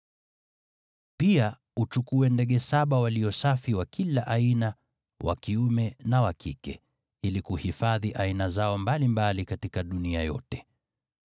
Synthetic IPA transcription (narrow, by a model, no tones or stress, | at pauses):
pia | ut͡ʃukuɛndɛɠɛsaɓawaliɔsafiwakʰilaʔaina | wʔa̰kiumɛnawakʰikɛ̰ | ilikuhifaðiʔainazaɔmbalimbalikatikaɗunia̰jɔ̰tɛ̥